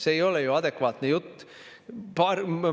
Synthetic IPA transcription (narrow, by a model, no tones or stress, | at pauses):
seejolejuɑd̪ekʋɑːt̪nejut̪ː | pɑr